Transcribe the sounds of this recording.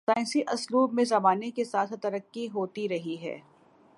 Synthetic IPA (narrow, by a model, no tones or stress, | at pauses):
saːɪ̃nsiʔɐsluːbmẽzɐbaːnekesaːt̪ʰt̪ɐɾəkːiɦoːt̪iɾɐɦiɦɛ̰ː